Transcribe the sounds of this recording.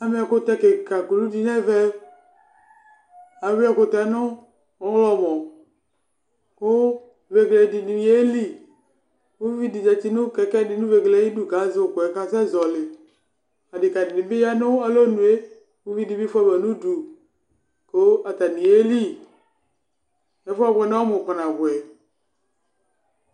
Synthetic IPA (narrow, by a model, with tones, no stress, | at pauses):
a˨mẽ˦a˨ko˦t̪ɛ˦ke˨ka˨ku˨lu˦di˨nɛ˦vɛ˦ | a˨˦ve˦a˨ko˦t̪ɛ˦nʊ̃˦ | ɔ˦wlɔ˦mɔ̃˨ | ko˦ | ve˨ɡle˨di˨nĩ˨i˨˦e˦li˦ | wu˦vi˦di˨d͡ʒɛ˨t̪i˦nũ˦kɛ˨kɛ˦di˨nũ˦ve˨ɡle˨˦i˦nu˦ɡa˨˦zo˦˨ɡɔ˨ɛ˨ka˨sɛ˦zɔ˨le˨ | a˨dɪ˨ka˨di˨nĩ˨be˦ja˦nʊ̃˦a˨lo˦nũ˨˦e˦ | wu˦vi˦di˨bi˦fa˦bɛ˨nũ˦du˨ | ko˦a˨t̪a˨nĩ˨e˦li˦ | e˦fa˦˨βɛ˨ne˦wɔ˦mõ˨k͡pa˨nã˨βʊ˨ɛ˨